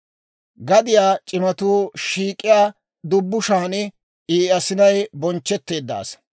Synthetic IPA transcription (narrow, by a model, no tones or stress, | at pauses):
ɡɐd̪ɪjaːt͡ʃʼɪmɐt̪uːʃiːkʼːɪjaː | d̪ʊbːʊʃaːnɪ | ʔiːɐsɪnɐjbɔnt͡ʃːɛt̪ːe̞ːd̪ːa̰ːs